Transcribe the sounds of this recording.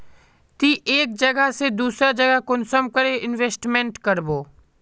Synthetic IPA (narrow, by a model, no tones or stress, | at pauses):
t̪iːʔeːk̚d͡ʒəɡəɦsed̪uːsɾad͡ʒɐɡəkʊnsəmkəɾeʔɪnʋeːsʈmẽɳʈkəɾboː